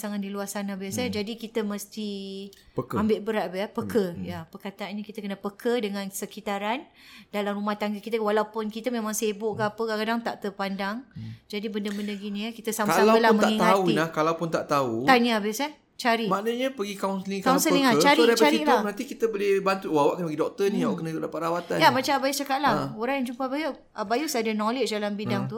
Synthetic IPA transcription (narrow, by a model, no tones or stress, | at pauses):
saŋat̪̚diluasanabiasad͡ʒadikit̪əməst̪ipəkambɪʔbəɾaʔ̪bəapəkʰəjapəkat̪aanɲakit̪əkənəpəkʰədəŋãnsəkit̪aɾan | dalamrumaht̪aŋɡəkit̪əwalawpʊnkit̪əmemaŋsebʊʔkaapəkakadaŋt̪aʔt̪ərpandaŋd͡ʒadibəndəbəndəɡinĩkit̪əsamaalabəlaməaŋit̪aunahkalawpʊnt̪a̰ʔt̪aut̪anə̃abɪsa | t͡ʃaɾimaʔnəɲapəɡikawunsəlikkawnsəniŋat͡ʃaɾidat͡ʃəaɾiilamənant̪ikit̪əbolehbant̪ut̪wawaʔkəpəɡidɔk̚t̪ənĩawaʔkənəulapaɾawat̪anjamat͡ʃamabajut͡ʃakaʔ̪laoɾaŋjaŋd͡ʒumpabajə | ʔabajusadənɔlet͡ʃdalambidaŋt̪u